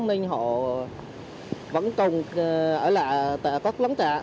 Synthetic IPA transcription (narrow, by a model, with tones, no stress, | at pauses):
nï˧ŋ̟ɦɔ̰˧˨ | və̰˧˥nkʊ˨˩ŋ͡mʔəː˧˩la̰ː˧˨jt̪a̰ː˧˩ka˦˥k̚lwə˨˦ŋt̪a̰ː˧˨